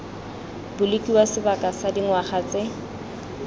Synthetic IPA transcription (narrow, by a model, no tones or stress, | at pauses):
bʊlekʼiwasɪbakʼasadiŋwaχat͡sɪ